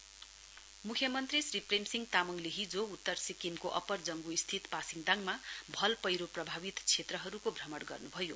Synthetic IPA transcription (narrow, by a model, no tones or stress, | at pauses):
mukʰjʌmʌnt̪risripremsiŋɡt̪amʌŋleɦid͡zout̪ːʌrsikimkoʔʌpʌrd͡zʌŋɡuist̪ʰit̪pasiŋd̪aŋmabʱʌlpʌjɾoprʌbʱabit̪t͡sʰet̪rʌɦʌɾukobʱrʌmʌɽɡʌ̰rnubʱʌjo